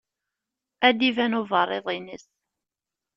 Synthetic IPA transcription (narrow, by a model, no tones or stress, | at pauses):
æd̪ivænovərˤːeðˤinəs